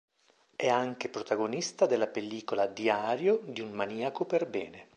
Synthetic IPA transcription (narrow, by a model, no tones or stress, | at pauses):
ɛaŋk̟epɾot̪aɡonist̪ad̪elːapelːiːkolad̪iaːɾjod̪iummaniːakoperbɛːne